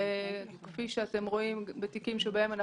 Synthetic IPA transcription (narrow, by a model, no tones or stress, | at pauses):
kfiʃeat̪e̞mʁo̞imbet̪ikimʃebae̞man